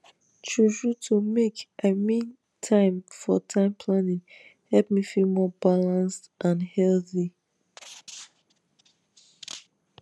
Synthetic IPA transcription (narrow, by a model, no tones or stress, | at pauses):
t͡ʃud͡ʒutʰumekʔamĩn | tʰãɪ̃mfɔtʰãɪ̃mpʰlãnĩŋhɛlp̚mifilmɔbalãnstʔãnhɛlθi